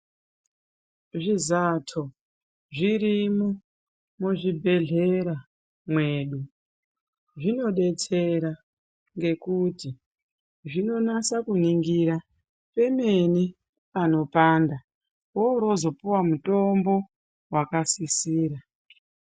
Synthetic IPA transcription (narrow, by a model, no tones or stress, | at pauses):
ʐizatʰo | ʐiɾimo | muʐibʱe̞ɮe̞ɾa | mwe̞ːɗu | ʐino̞ɗe̞t͡se̞ɾa | ŋɡe̞kuti | ʐino̞nasakuniŋɡiɾa | pe̞me̞ni | pano̞paːnda | woɾo̞zo̞puwamuto̞mbo̞ | wakasisiːɾa